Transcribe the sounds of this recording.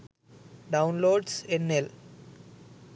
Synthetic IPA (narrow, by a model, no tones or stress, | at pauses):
ɖãʊ̃nloːɖsenːel